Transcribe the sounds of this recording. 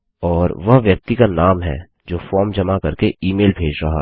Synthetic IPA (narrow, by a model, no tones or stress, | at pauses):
ɔːɾʋɐɦʋjɐk̚t̪ikanaːmɦɛ̰ | d͡ʒoːfɔːɾmd͡ʒɐmakɐɾkeiːmeːlbʱeːd͡ʒɾɐɦa̰